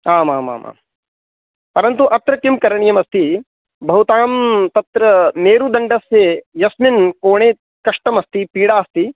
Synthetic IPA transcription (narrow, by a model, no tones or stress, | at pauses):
aːmaːma̰ːma̰ːm | pɐɾɐnt̪uʔɐt̪ɾɐkimkɐɾɐɳijɐmɐst̪i | bʱɐɦut̪aːmt̪ɐt̪ɾɐneːɾud̪ɐɳɖɐsejɐsminkoːɳeː | kɐʂʈɐmɐst̪ipiːɽaːɐst̪i